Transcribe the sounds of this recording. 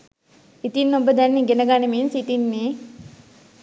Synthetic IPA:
it̪inːobəd̪ɛnːiɡenəɡaːneminsit̪inːe

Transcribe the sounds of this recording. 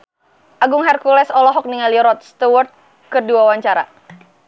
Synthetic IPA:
ʔaɡʊŋɦɛrkulɛsɔlɔɦɔk̚niŋaliɾɔt̪̚st̪uwɔrt̪̚ | kɨrduawaɲt͡ʃaɾa̰

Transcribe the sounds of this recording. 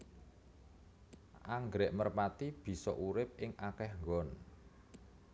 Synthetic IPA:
ʔaŋɡɾɛʔmərpat̪ib̥i̤sɔ̰ʔuɾɪp̚ɪŋʔakɛhŋɡɔn

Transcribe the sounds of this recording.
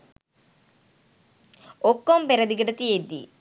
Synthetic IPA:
okːompeɾɐd̪iɡɐɖɐt̪ied̪ḭ

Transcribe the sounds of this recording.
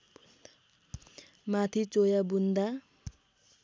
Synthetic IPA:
mat̪ʰit͡sojabund̪a

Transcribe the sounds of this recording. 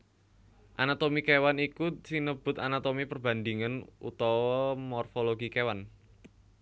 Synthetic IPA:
ʔanat̪omikewanikusinəb̥ʊ̤t̪anat̪omipərb̥a̤nd̪iŋanṵt̪ɔwɔmɔrfoloɡikewan

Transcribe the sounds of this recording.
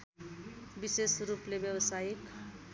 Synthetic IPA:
bisesɾuplebjewʌsajik

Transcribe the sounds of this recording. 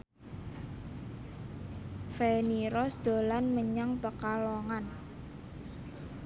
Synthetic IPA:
feniɾɔsd̪̥o̤lanməɲaŋpəkaloŋan

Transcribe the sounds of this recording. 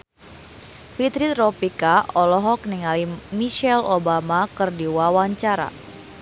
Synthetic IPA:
fit̪ɾit̪ropikaʔɔlɔɦɔk̚niŋalimiʃɛlobamakɨrdiwawaɲt͡ʃaɾa̰

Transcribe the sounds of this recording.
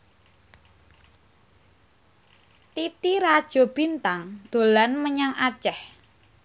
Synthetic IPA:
t̪it̪iɾad̥ʒ̥ɔ̤b̥i̤nt̪aŋd̪̥o̤lanməɲaŋḁʒ̥ɛh

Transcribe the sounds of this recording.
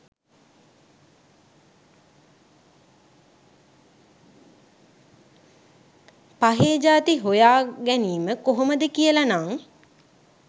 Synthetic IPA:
paɦeːd͡ʒaːt̪iɦojaːɡæniːməkoɦoməd̪əkijəlanaŋ

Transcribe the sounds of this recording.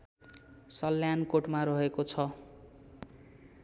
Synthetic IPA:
sʌlːjankoʈmaɾʌɦekot͡sʰʌ

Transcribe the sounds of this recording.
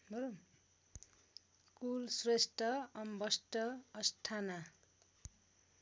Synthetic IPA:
bʌɾo | kulsresʈʌʌmbʌsʈʌːsʈʰana

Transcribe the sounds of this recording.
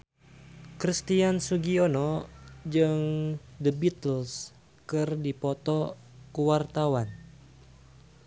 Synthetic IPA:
kɾist̪iansuɡionɔd͡ʒɨŋdəbit̪əls | kɨrdipɔt̪ɔ | kuwart̪awan

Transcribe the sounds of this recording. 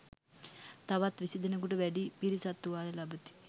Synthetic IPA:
t̪aʋat̪ʋisid̪ənək̬uʈəʋæɖipiɾisat̪ːuʋaːjəlabət̪i̥

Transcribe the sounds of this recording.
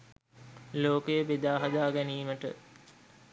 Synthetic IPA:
loːkəjəʋed̪aːɦɐd̪aːɡɛniːməʈə̰

